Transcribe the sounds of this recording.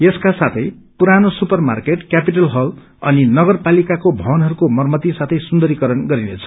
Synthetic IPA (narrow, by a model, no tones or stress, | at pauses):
jeskasat̪ʰʌj | puɾanosupʌrma̰rkeʈkjapiʈʌlɦʌl | ʌninʌɡʌrpalikakobʱʌwʌnɦʌɾukomʌrmʌt̪isat̪ʰʌjsund̪ʌɾikʌɾʌnɡʌɾinet͡sʰʌ̥